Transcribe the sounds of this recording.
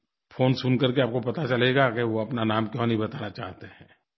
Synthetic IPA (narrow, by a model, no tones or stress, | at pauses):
fʰoːnsʊnkɐɾkeaːp̚kopɐt̪at͡ʃɐleɡakeʋoɐpnanaːmkjɔ̃ːnɐɦĩbɐt̪aːnat͡ʃa̰ːɦt̪eɦɛ̃ː